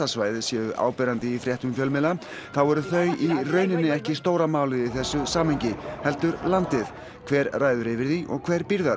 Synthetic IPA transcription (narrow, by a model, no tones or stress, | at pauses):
asvaːjðɪsjɛðʏʔa̰ːwpɛːɾant̪ɪifɾjɛht̪ʏmfjœlmɪla | θawɛɾʏθœːɥirœːɥnɪnːɪɛhcɪst̪oːwɾamaːwlɪðiθɛsːʏsaːmhɛɲcɪhɛlt̪ʏɾlant̪ɪθ | kʰvɛːɾraːjðʏɾɪvɪɾθiʔɔ̰ɣkʰv̥ɛːɾpiɾða